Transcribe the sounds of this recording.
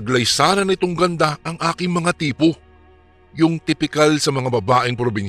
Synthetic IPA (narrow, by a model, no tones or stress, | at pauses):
ɡlɐjsaːnɐnɪt̪oŋɡɐnd̪aʔɐŋʔaːkɪŋmɐŋat̪iːpo̞ | jʊŋt̪ɪpɪkalsɐmɐŋabɐbaːʔɪŋpɾobɪn